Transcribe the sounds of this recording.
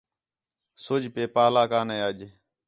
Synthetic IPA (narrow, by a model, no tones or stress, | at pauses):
sʊd͡ʒpeːpaːlaːkaːneːəʄ